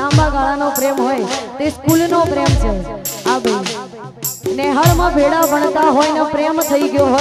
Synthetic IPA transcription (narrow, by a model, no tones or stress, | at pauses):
ãmbaɡaɭanopɾemɦojt̪eskulnopɾemt͡ʃʰeaɡe | neɦəɭmãbʱeɽabʱəɳt̪aɦojnepɾemt̪ʰəiɡəjoɦo